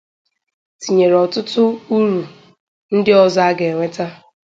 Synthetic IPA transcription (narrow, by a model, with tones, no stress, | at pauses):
ti˨ɲe˨ɾɔ˨tʊ˦tʊ˦u˦ɾu˨ | n̩˦dɪ˦ɔ˦za˦ɡe˨ŋʷe˦ta˦